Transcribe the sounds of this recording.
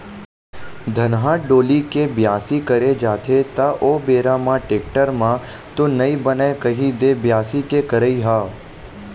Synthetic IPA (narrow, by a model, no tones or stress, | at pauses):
d̪ʱɐnɦãːɖoːlikebjaːsikɐɾed͡ʒaːt̪ʰet̪aʔoːbeːɾamãʈeːk̚ʈəɾmã | t̪onɐibənaekɐɦid̪ebjaːsikekəɾəiɦaː